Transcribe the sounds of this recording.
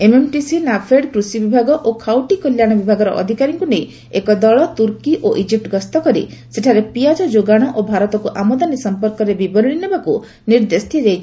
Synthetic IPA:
ememʈisinapʰeɖkɾusibibʱaɡɔʔokʰawʈikɔljaɽ̃ɔbibʱaɡɔɾɔʔɔ̰d̪ʱikaɾiŋkunej | ekɔd̪ɔɭɔt̪uɾkiʔoʔid͡ʒip̚ʈɡɔst̪ɔkɔɾḭseʈʰaɾepijad͡ʒɔd͡ʒoɡaɽ̃ɔʔobʱaɾɔt̪ɔkuʔamɔd̪anisɔmpɔɾkɔɾebibɔɾɭinebaku | niɾd̪est̪ʰiɾejt͡ʃʰi̥

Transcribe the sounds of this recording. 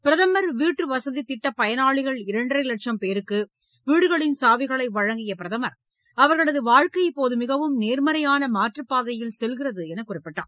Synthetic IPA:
pɪɾɐðɐmɐɾʋiːʈrɯʋɐsɐðit̪ːɪʈːɐpːɐjɐnaːɭɪɣɐɭɪɾɐɳɖrɐɪlɐʈʂɐmpeːɾɯkːɯ | ʋiːɽɯɣɐɭɪnsaːʋɪɣɐɭɐɪʋɐɻɐŋɡɪjɐpɪɾɐðɐmɐɾ | ɐʋɐɾɣɐɭɐðɯʋaːɻkɐɪpːoːðɯmɪɣɐʋɯmneːɾmɐɾɐjaːnɐmaːʈrɯpːaːðɐjɪlsɛlɣɪrɐðɯɛnɐkːʊrɪpːɪʈːa̰ːm

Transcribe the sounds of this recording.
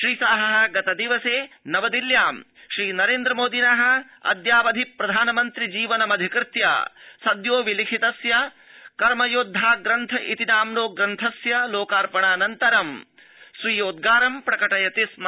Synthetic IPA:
ʃɾiːsaːɦɐɦɐ̆ɡɐt̪ɐd̪iʋɐseː | nɐʋɐd̪iljaːm | ʃɾiːnɐɾeːnd̪ɾɐmoːd̪inɐɦɐ̆ | ɐ̰d̪jaːʋɐd̪ʱipɾɐd̪ʱaːnɐmɐnt̪ɾid͡ʒiːʋɐnɐmɐd̪ʱikɾɪt̪ja̰ːsɐd̪joːʋilikʰit̪ɐsjɐ | kɐɾmɐjod̪ʱːaːɡɾɐnt̪ʰɐʔit̪inaːmloːɡɾɐnt̪ʰɐsjɐloːkaːɾpɐɳaːnɐnt̪ɐɾɐm | sʋiːjoːd̪̚ɡaːɾɐmpɾɐkɐʈɐjɐt̪ism

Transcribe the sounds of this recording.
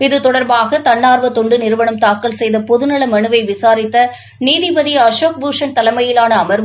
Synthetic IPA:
ɪðɯt̪ɔɽɐɾbaːɣɐt̪ɐɳːaːɾʋɐt̪ɔɳɖɯnɪɾɯʋɐɳɯmt̪aːkːɐɭsɛjðɐpɔðɯnɐɭɐmɐɳɯʋɐɪʋɪsaːɾɪt̪ːɐ | niːðɪbɐðijɐʂoːk̚buːʂɐnt̪ɐlɐmɐjɪlaːnɐːmɐɾ

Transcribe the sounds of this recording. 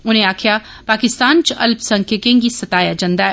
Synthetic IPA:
ʊnɦẽaːkʰja | paːkɪst̪aːnt͡ʃɐ̰lbsɐ̃ŋkʰekẽŋɡisɐt̪aːjad͡ʒɐ̃nd̪aː

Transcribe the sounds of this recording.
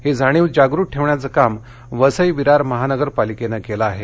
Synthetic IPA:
hed͡zʱaɽ̃iːʋd͡ʑaɡɾuːʈ̚ʈʰːeʋɳjat͡səkam | ʋəsəjʋiɾaɾməɦanəɡəɾpalikenakelaːɦe

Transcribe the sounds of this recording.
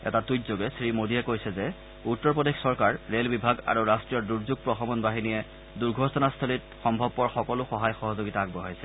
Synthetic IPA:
ɛ̰tatutzoɡɛsɹimodʱijɛkojsɛzɛ | utːɔɹpodexsɔɹkaɹːelbibʱaɡa̰ɹuɹastɹijɔduɹzuɡ̚pɹɔxɔmɔnbaɦinijɛ | duɹɡʱɔsɔnast̪ʰolit̚xɔmbʱɔb̚pɔɹxɔkɔlʊxɔɦajxɔɦɔzoɡitaːɡbɔɦajsɛ

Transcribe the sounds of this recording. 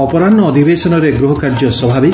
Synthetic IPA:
ɔpɔɾanɔːd̪ʱibesɔnɔɾeɡɾuɦɔkaɾd͡ʒɔsɔbʱabi

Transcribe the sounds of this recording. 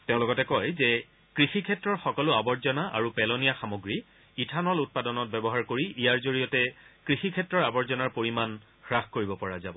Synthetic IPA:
tɛ̃ʊ̃lɔɡɔtɛkɔjzɛ | kɹixikʰɛtɹɔɹxɔkɔlʊabɔɹzɔnaʔa̰ɹupɛlɔnijaxamoɡɹi | itʰanɔlut̚padɔnɔt̚bɛbɔɦaɹkoɹiʔijaɹzoɹijɔtɛkɹixikʰɛtɹɔɹabɔɹzɔnaɹpoɹiman | xɹaxkoɹibɔpɔɹazabɔ

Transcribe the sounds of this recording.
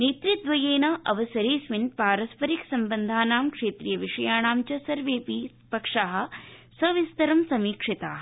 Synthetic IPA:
neːt̪ɾit̪ʋɐjeːnɐʔɐʋɐsɐɾeːsʋinpaːɾɐspɐɾiksɐmbɐnd̪ʱaːnaːmkʂeːt̪ɾijɐʋiʂɐjaːɳaːmt͡ʃɐsɐɾʋeːpi | pɐkʂaːɦɐ̆sɐʋist̪ɐɾɐmsɐmiːkʂit̪aː

